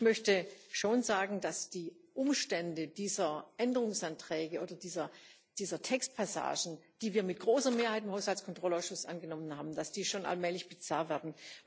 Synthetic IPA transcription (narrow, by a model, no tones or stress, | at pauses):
çmœçtəʃoːnzaːɡŋ̩dasd̥iːʔʊmʃtɛndəd̥iːzɐʔɛndəʁ̞ʊŋsʔantʁ̥ɛːɡəʔoːdɐdiːzɐ | d̥iːzɐtʰɛkst̚pʰasa̰ːʒn̩d̥iːviːɐmɪt̚ɡ̥ʁoːsɐmeːɐhaɪtɪmhaʊshaltskʰɔntʁ̥ɔlaʊsʃʊsʔa̰nɡənɔmənhaːbm̩d̥asd̥iːʃoːnʔa̰lmɛːlɪçb̥ət͡saːɐvɛːɐdn̩